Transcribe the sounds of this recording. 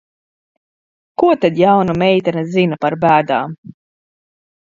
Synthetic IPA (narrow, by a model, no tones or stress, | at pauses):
kuɔt̪ad̪jawnumɛjt̪ɛnɛzinapaɾbæːd̪aːm